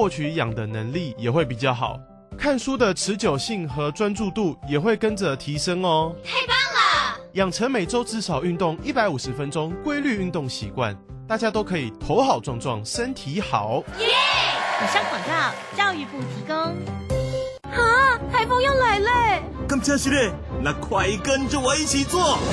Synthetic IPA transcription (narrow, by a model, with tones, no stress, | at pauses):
wɔ˥˩t͡ɕʰy˨˧˦jɑ˨˩ŋd̪ə˨˦nə˧˥ŋli˥˨jɛ˨˩xwe˥˩ɪp̬i˨˩t͡ɕjɑ˥˩xɑ̰˨˩˦ʊ | kʰa˥˩nsu˥d̪ə˨ʈ͡ʂʰɻ̩˨˧˥t͡ɕjo˨˩ʊɕi˥˩ŋxɤ˧˥ʈ͡ʂwa˥nʈ͡ʂu˥˧t̪u˥˩jɛ˨˩xwe˥˩ɪkə˦˥nd͡zə˨t̪ʰi˧˥ʂə˥ŋɔ˨˩t̪ʰe˥pa˥˨˩ŋlə˨jɑ˨˩ŋʈ͡ʂʰə˧˥ŋme˨˩ɪʈ͡ʂo˥ʊʈ͡ʂɻ̩˥˩ʂɑ˨˩ʊy˥˧nt̪ʊ˥˩ŋi˦˥pa˧ɪu˨˩ʂɻ̩˨˦fə˦nʈ͡ʂʊ˥ŋkwe˥ɪly˥˧y˥˧nt̪ʊ˥˩ŋɕḭ˧˥kwa̰˥˨n | t̪a˥˩t͡ɕja˥t̪o˥ʊkʰɤ˧˥i˨˩t̪ʰo˧˥ʊxɑ˨˩ʊʈ͡ʂwɑ˥˧ŋʈ͡ʂwɑ̰˥˨ŋʂə˦˥nt̪ʰi˧˥˦xɑ̰˨˩˦ʊ˧˥ | xɔ˨˩ɕja˥˧ŋkwa˨˩nt̪a˥˩t͡ɕjɑ˥˧ʊy˨˩pu˨˩t̪ʰi˧˥ko˥ŋ | ha˥˩t̪ʰa˧˥ɪfo˥ŋjo˥˩ŋla˧˨˥ɪle˥˩ɪ | kə˥˧ŋɕʰja˥˧ɕi˥˧ljɛ˥˩ | na˥˧˩kʰwa˧˩kə˦˥nt͡ɕjo˥˩wɔ˨˩i˥˩t͡ɕʰi˨˩t͡swɔ˥˩